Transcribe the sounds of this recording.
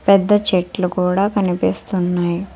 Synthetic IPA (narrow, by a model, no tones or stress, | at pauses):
pɛd̪ːɐt͡ʃeːʈlukuːɽaːkɐnipiːst̪unːaːji